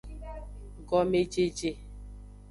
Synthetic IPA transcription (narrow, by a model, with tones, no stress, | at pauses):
ɡɔ˨me˦d͡ʒe˦d͡ʒe˦